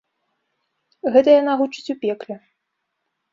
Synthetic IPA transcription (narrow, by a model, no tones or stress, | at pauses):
ɣɛt̪ɐjanaɣut͡ʂɨ̥t͡sʲupʲɛklʲɛ